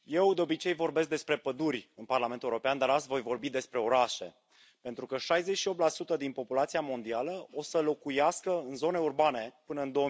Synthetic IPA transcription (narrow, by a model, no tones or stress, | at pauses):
je̞wd̪eo̞bit͡ʃe̞jvo̞rbe̞s̬k̚d̪e̞spɾe̞pəd̪urʲɨnparlame̞nt̪ːeuɾo̞peand̪aɾat̪sʲvo̞jvo̞rbid̪e̞spɾe̞o̞ɾaʃe̞ | pe̞nt̪ɾukəʃajze̞t͡ʃʃiop̚tlasut̪əd̪inpo̞pulat̪siamo̞nd̪ialəosəlo̞kujaskəɨnzo̞ne̞urbane̞pɨnəɨnd̪o̞ə